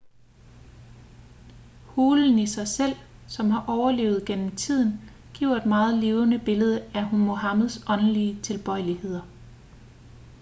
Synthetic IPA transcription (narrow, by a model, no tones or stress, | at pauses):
huːln̩isɑ̈ɪsel̰sɒ̽mhɑ̈ʔɒʊɐle̝̰ːʊð̞̩ˠɡ̥en̰m̩t͡sʰið̞̰ˠn̩ | ɡ̥iʊ̰ɐe̝d̥mɑ̈ːð̞̩ˠle̝ːʊənəb̥e̝ləð̞ˠəæɦunmo̝ɦɑ̈məð̩ˠsɒ̽nəliət͡sʰe̝lb̥ɒ̽ɪlihe̝ð̞̰ˠɐ